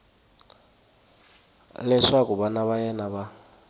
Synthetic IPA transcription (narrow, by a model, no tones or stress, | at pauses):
lɛʂakʼubanaβajɛnaβa